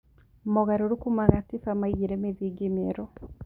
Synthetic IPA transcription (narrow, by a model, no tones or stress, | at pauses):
mɔɣaɾoɾukumaɣatifamaiɣiɾemeðiɡemeɾɔ